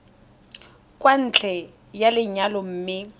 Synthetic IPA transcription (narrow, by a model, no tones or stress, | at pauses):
kʼwan̩t͡ɬʰʼɛ | jalɪɲalɔm̩ːmɪ